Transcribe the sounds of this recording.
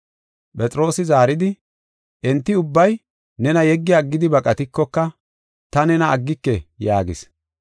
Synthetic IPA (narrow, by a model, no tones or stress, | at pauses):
pʼɛt͡sʼɪɾo̞ːsɪzaːɾɪd̪ɪ | ʔɛnt̪ːɪʊbːɐj | nɛnɐjɛɡːɪjaːɡːɪd̪ɪbɐkʼɐt̪ɪkːɔkːɐ | t̪ɐnɛnɐːɡːɪkːɛjaːɡɪs